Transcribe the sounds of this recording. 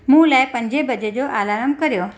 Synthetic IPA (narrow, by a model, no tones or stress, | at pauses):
mũːlajpəɲd͡ʑebəd͡ʑed͡ʑoʔalaɾəmkəɾjo